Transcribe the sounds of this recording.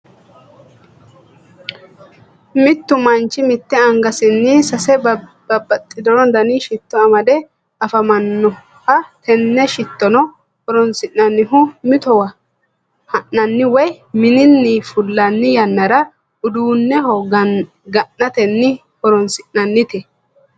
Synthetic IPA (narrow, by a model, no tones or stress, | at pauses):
mɪt̪ːʊmɐnt͡ʃːɪmɪt̪ːɛɐŋɡɐsɪnːɪsɐsɛbɐbɐt̪ʼːɪd̪ɔɾɔnd̪ɐniʃɪt̪ːɔɐmɐd̪ɛ | ɐfɐmɐnːɔ | hɐt̪ʰɛnːɛʃɪt̪ːɔnɔ | hɔɾɔnsɪʔɐnːɪɦʊmɪt̪ɔwɐ | hɐʔːɐnːɪwɔj | mɪnɪnːɪfʊlːɐnːɪjɐnːɐɾɐ | ʊd̪uːnːɛhɔ | ɡɐnːɐt̪ɛnːɪ | hɔɾɔnsɪnːɐnːɪt̪ɛ